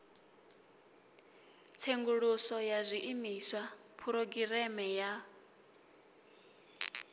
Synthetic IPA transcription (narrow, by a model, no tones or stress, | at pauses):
t͡sʰeŋɡuɺusɔjazʷiʔimiswapʰuɾoɡiɾɛmɛja